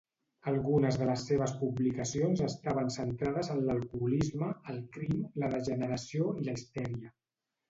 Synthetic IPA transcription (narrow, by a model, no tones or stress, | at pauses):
əlˠɣunəzðələsːeβ̞əspublikəsionzəst̪aβ̞ənsənt̪ɾaðəzənləlˠkulizməːlˠkɾimləðəʒənəɾəsioiləist̪ɛɾiə